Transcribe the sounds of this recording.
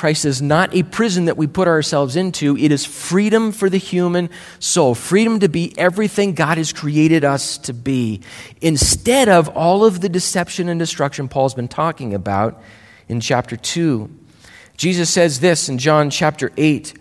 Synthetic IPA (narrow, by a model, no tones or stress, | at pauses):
kʰɹ̥aɪstɨznəɾʔɨpʰɹ̥ɪzɨ̃n̩ðɨʔwipʰʊɾəə˞sɛlˠvzɪ̃ntʰʉɨɾɨz̥fɹiɾə̃ɱfə˞ðɨhjʉmɨ̃n | soʊlˠfɹiɾɨ̃mtɨbiʔɛvɹiθɪ̃ŋɡɑɾ̚ɨz̥kʰɹ̥ieɪɾɨɾʌstʰɨbiɨ̃nstɛɾʌvɔlˠʌvðɨdɨsɛpʃɨ̃nɨ̃ndɨstɹ̥ʌkʃɨ̃npʰɔlˠzbɨ̃n̩tʰɔkɪ̃ŋɨbaʊɾ | ɨ̃nt͡ʃʰæp̚tə˞tʰʉ | d̥ʒ̥izɨsɛzðɪsɨ̃n̩d͡ʒɑ̃nt͡ʃʰæp̚tə˞ʔeɪt̚